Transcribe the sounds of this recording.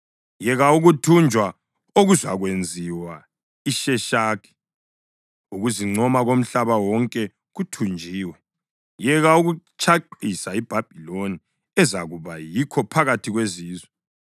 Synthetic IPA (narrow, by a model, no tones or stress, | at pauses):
jɛɣauɣutʰund͡ʒʱwa | oɣuzaɣwend͡zʱiwa | iʃɛʃaːkʰʼɛ̥ | uɣuziŋ͡ǀɔmaɣom̩ɬaβawɔŋkʼɛ | ɣutʰund͡ʒʱiːwɛ | jɛɣauɣut͡ʃʰaǃisaib̥ʱab̥ʱiloni | ɛzaɣuβajikʰɔpʰaɣatʰiɣweziːzwɛ